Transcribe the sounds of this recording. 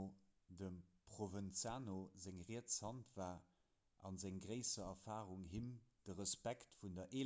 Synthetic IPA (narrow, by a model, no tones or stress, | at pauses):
dəmpχovənt͡sjaːnozæŋʁiət͡shɑntvaː | ʔɑ̰nzæŋɡʁəɪsɐɐfaːʁuŋɦimd̥əʁəspæktfundɐʔe